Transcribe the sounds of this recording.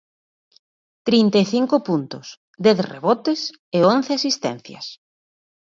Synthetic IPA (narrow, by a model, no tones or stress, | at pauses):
t̪ɾint̪eeθiŋkʊpunt̪ʊs | d̪ɛθrḛβɔt̪ɪs | eonθeasist̪ɛ̰̃n̟θjɐ̰s